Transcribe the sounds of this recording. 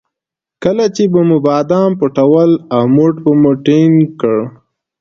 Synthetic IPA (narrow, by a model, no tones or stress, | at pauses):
kəlat͡ʃebəmubɑːd̪ɑmpʊʈawəlawmoʈbəmuʈenkəɽ